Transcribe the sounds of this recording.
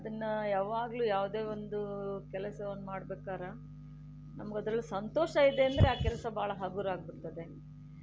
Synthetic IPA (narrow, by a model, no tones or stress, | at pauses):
ɐd̪ɐnːɐjaːʋaːɡɐluːjaːʋd̪e̞ːʋond̪ukɛlɐsɐʋɐnːmaːɽbeːkaːɾɐ | nɐmɐɡɐd̪ɾɐlːusɐnt̪oːʂɐid̪e̞ɐnd̪ɐɾeaːkɛlɐsɐbaːɭɐɦɐɡuɾaːɡ̚biɾt̪ɐd̪e̞